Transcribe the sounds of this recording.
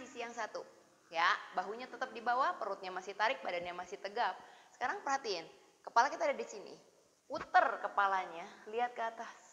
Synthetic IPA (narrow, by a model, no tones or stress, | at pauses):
sisijaŋsat̪u | jabaɦuɲat̪ət̪əp̚dibawapəɾʊt̪̚ɲamasɪht̪aɾɪk̚badanɲamasɪht̪əɡap̚sə̥kaɾaŋpərhat̪iɪn | kəpalakit̪aːdadisinḭ | ut̪ərkəpalaɲaliɦat̪̚kəat̪as